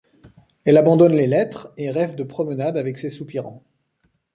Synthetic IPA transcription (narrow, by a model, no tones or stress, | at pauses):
ɛlabɑ̃d̪ɔnlelɛt̪χeʁɛvd̪əpχɔmənad̪avɛksesupiʁɑ̰̃